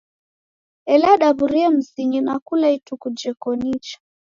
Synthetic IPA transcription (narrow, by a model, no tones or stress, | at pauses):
ɛlaɗaβuɾiɛm̩ziɲinakulaitukud͡ʒɛkɔnit͡ʃḁ